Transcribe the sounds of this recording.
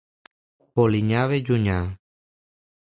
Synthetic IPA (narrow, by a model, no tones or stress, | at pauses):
poliɲaʋed͡ʒuɲã